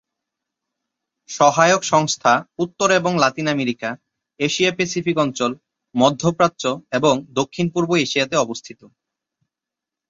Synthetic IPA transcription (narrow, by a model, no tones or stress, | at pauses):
ʃɔɦaeokʃɔŋst̪ʰaut̪ːoɾeboŋlat̪inameɾika | eʃiapesifikɔnt͡ɕol | mɔd̪ʱːopɾatːt͡ɕoeboŋd̪okʰːinpuɾboeʃijat̪eɔbost̪ʰit̪o